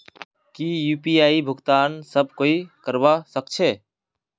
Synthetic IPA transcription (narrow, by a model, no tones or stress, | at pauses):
kijuːpiaːibʱʊɡt̪aːnsəb̚ʱkoːikəɾbasək̚t͡ʃʰeː